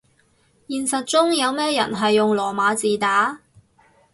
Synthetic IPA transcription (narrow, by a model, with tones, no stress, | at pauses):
jiː˨nsɐ˨t̚t͡ʃt͡sʊ˥ŋjɐ˨˧wmɛː˥jɐ̰˨˩nɦɐ˨jːʊ˨ŋlɔː˨˩maː˨˧t͡siː˨t̪aː˨˥